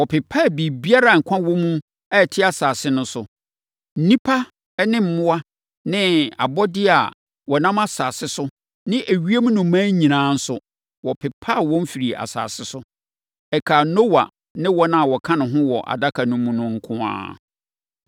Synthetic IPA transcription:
wɔ˨pʰɪ˨pʰːa˦˨bi˨bi˦a˦ɾa˨ŋ̩˨kʷʰã˦wɔ̃˦mũ˦ | ɛ˦˨tʰɪ˦a˨saː˨sɪ˦nʊ̃˦sʊ˨ | n̩˦nĩ˦pʰa˦ | ɛ˦nɪ̃˦m̩˨mʊ̃˦a˦ | nɪ̃˦a̰˨bɔ˦dɪ˦a̰˨ | wɔ˨nã˦ma˦saː˨sɪ˦sʊ˦ | nɪ̃˦ʔæ˨ɥi˦e˦mũ˦nʊ̃˨˦mãː˦ɲĩ˨nãː˨˦n̩˦sʊ˦ | wɔ˨pʰɪ˨pʰːa˦˨wɔ̃˦n˦fi˨ɾi˨a̰˨sa̰ː˨sɪ˦sʊ˦ | ɛ˨kʰa˨no˦wa̰˨ | nɪ̃˦wɔ˦nã˦a˨wɔ˨kʰã˦nʊ̃˨ɦʊ̃˦wɔ˨ʔa̰˨da˦kʰa˨nʊ̃˦mũ˦nʊ̃˦ŋ̩˦kʰʊ̃˦ã̰ː˦

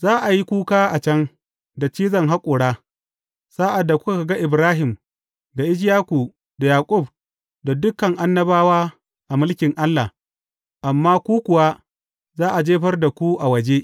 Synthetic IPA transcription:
zaː˦ʔa˨ji˦kʷuː˦kaː˦ʔa˨t͡ʃɐ˦ŋ | da˨t͡ʃiː˦zɐ˨ŋɦa˦kʷʼʊː˨ɽaː˦ | saː˦ʔa˨dːa˨kʷʊ˦ka˦˨ka˨ɡa˦ʔɪ˨bɾaː˦ɦɪ˨m | da˨ʔɪ˦d͡ʒ̬jaː˦kʷu˨ | da˨jaː˨kʼʊ˦˨b̚ | da˨dʊ˦kɐ˨ŋʔa˦nːɐ˦baː˦waː˦ | ʔa˨mʊ˦lkʲɪ˨ŋʔa˦lːa˨ | ʔa˨mːaː˦kʷuː˦kʷʊ˨wa˦ | zaː˦ʔa˨d͡ʒeː˦ɸɐ˦rda˨kʷu˦ʔa˨wɐ˨d͡ʒeː˦

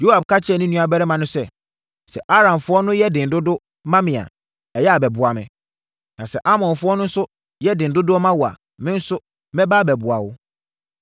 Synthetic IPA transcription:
jo˦ha˨bkʰa˦t͡ɕʰɪ˦ɛ˨nʊ̃˦nũ˦a˨bɛ˦ɾɛ˦mã˨nʊ̃˦sɛ˦˨ | sɛ̰˨ʔa˦ɾã˨mfʊ˦ɔ˦nʊ̃˦jɛ˦dɪ̃˨n̩˨dʊ˦dʊ˦ | mã˦mɪ̃˨a̰˨ | ɛ˨jɛ˦a˨bɛ˨bʊ˨a˨mɪ̰̃˨ | nã˨sɛ˨ʔa˦mɔ̃˨nfʊ˦ɔ˦nʊ̃˦n̩˦sʊ˦ | jɛ˦dɪ̃˨n̩˨dʊ˦dʊ˦ɔ˦mã˦wʊ˨a̰˨ | mɪ̃˦n̩˦sʊ˦ | mɛ̃˦baː˦bɛ˨bʊ˨a̰˨wʊ˦

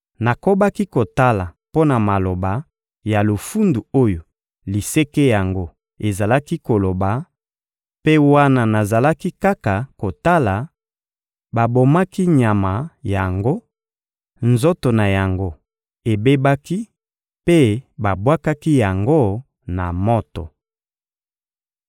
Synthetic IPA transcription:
na˨ko˦ba˦ki˦ko˨ta˦la˨ | po˦na˨ma˨lo˨ba˨ | ja˨lo˨fu˦ndu˨o˦jo˨ | li˨se˦ke˦ja˨ŋɡo˦ | e˨za˨la˦ki˦ko˨lo˨ba˨ | pe˦wa˦na˨na˨za˨la˦ki˦ka˦ka˨ko˨ta˦la˨ | ba˨bo˨ma˦ki˦ɲa˨ma˨ja˨ŋɡo˦ | nzo˦to˨na˨ja˨ŋɡo˦ | e˨be˦ba˦ki˦ | pe˦ba˨bwa˦ka˦ki˦ja˨ŋɡo˦ | na˨mo˦to̰˨

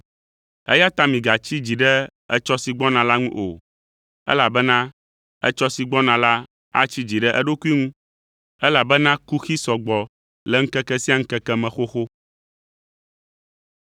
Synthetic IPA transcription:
ɛ̰˦ja˦t̪a˦mĩ˨ɡa˨t͡ɕi˦d͡ʑi˨ɖɛ˦ɛ̰˦t͡ʃɔ˦si˨ɡ͡bɔ˦nã˨la˦ŋũ˦ʔo̰˨ | ɛ̰˦la˨bɛ˦nã˦ | ɛ̰˦t͡ʃɔ˦si˨ɡ͡bɔ˦nã˨la˦ | a̰˦t͡ɕi˦d͡ʑi˨ɖɛ˦ʔɛ˦ɖo˦ku˦i˦ŋũ˦ | ɛ˦la˨bɛ˦nã˦ku˦xi˦sɔ˨ɡ͡bɔ˨ | lɛ˨ŋ̩˦kɛ˦kɛ˦si˦a˦ŋ̩˦kɛ˦kɛ˦mɛ̃˨xo˦xo˦

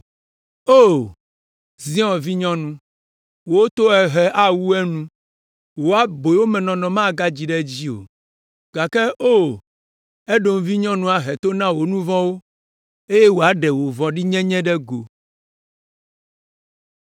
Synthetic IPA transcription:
o˦˨ | zĩ˦ɔ̃˨vi˦ɲɔ̃˦nũ˦ | wo˨wo˦t̪o˦ɛ˨ɦɛ˨ʔa˦wu˦ɛ˦nũ˦ | wo˨a˦bo˨˦wo˦mɛ̃˨nɔ̃˨nɔ̃˨mã˦˨ɡa˦d͡ʑi˨ɖɛ˦d͡ʑi˦o̰˨ | ɡ̥a˨kɛ˦ʔo˦˨ | ɛ˦ɖo˨m˨vi˦ɲɔ̃˦nũ˦a˨ɦɛ˨t̪o˦nã˦wo˨nũ˦vɔ̃˦wo˦ | e˦je˦wo˨a˨ɖɛ˨wo˨vɔ̃˨ɖi˦ɲɛ̃˦ɲɛ̃˦ɖɛ˦ɡo˨

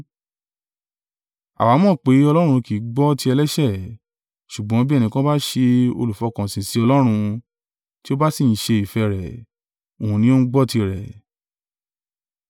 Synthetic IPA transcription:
a̰˨wa˨˦mɔ̃ː˦˨k͡pe˨˦ɔ˧lɔ˦ɾ̃ũ˧ki˨˦ɡ͡bɔ˦ti˧˦ɛ˧lɛ˦ʃɛ˦˨ | ʃu˨ɡ͡bɔ̃˨˦bi˦ɛ˦˨nĩ˧kã˦ba˦ʃe˧o̰˧lu˨fɔ˨˦kã˨sĩ˨si˨˦ɔ˧lɔ˦ɾ̃ũ˧ | ti˦o˦ba˦si˦˨n̩˨ʃe˧i˨fɛ˧ɾɛ˨ | o˨hũ˨˧nĩ˦o˦nũ˦ɡ͡bɔ˦ti˧ɾɛ˨

